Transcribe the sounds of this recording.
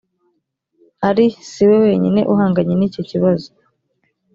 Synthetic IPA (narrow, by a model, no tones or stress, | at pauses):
haɾisiwe̞we̞ːɲine̞̰ʔuɦaːŋɡaɲeniːco̞ciβazo̥